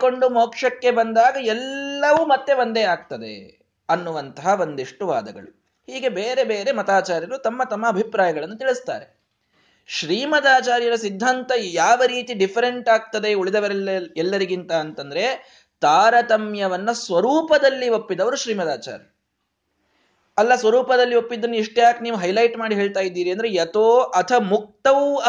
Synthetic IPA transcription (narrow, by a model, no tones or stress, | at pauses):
ko̞ɳɖumoːkʂɐkːe̞bɐnd̪aːɡɐɛlːɐʋumɐt̪ːe̞ʋɐnd̪eaːk̚t̪ɐd̪ḛ | ɐnːuʋɐnt̪ɐɦɐʋo̞nd̪iʂʈuʋa̰ːd̪ɐɡɐ̰ɭu | hiːɡe̞beːɾe̞beːɾe̞mɐt̪aːt͡ʃaːɾjɐɾut̪ɐmːɐt̪ɐmːɐːbʱipɾaːjɐɡɐɭɐnːut̪iɭist̪a̰ːɾe̞ | ʃɾiːmɐd̪aːt͡ʃaːɾjɐɾɐsid̪ʱːaːnt̪ɐjaːʋɐɾiːt̪iɖipʰɐɾe̞ɳʈaːɡ̚t̪ɐd̪e̞uɭid̪ɐʋɐɛlːɐɾiɡint̪ɐːnt̪ɐnd̪ɐɾe̞ | t̪aːɾɐt̪ɐmjɐʋɐnːɐsʋɐɾuːpɐd̪ɐlːio̞pːid̪ɐʋɐɾuʃɾiːmɐd̪aːt͡ʃa̰ːɾjɐ | ɐlːɐsʋɐɾuːpɐd̪ɐlːio̞pːid̪ːɐnːuiʂʈjaːkniːʋuɦɐjlɐjʈmaːɽiɦe̞ːɭt̪aːjid̪ːiːɾiɐnd̪ɐɾe̞jɐt̪oːʔɐt̪ʰɐmuk̚t̪ɐu